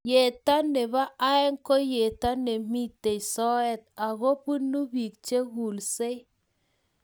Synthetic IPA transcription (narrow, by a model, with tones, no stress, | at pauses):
je˨ta˦ne˨βa˦ʔa˦ɛ˦ŋko˦je˨ta˦ne˨mi˦te˨isɔ˦ɛ˦t̪̚a˨ɣo˦pɨ˦nu˦bi˨k̚t͡ʃe˦ɣu˨lse˦